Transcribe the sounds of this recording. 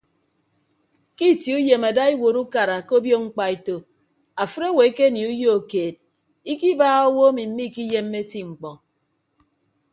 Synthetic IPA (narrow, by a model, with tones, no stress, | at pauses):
ki˦˨ti˨u˦je˨ma˨da˦i˦wo˨ɾu˦ka˨ɾa˨ko˦bjo˦ŋ͡m̩˦k͡pa˨i˨to˨ | a˨fɨ˦ɾo˦˨we˨˦ke˦ni˨u˦jo˦o˨keː˨d̚ | i˦ki˦baː˦ɣo˦wo˦a˦mi˨m̩˦mi˦˨ki˦je˦mː˦e˦ti˦ŋ͡m̩˨k͡pɔ˨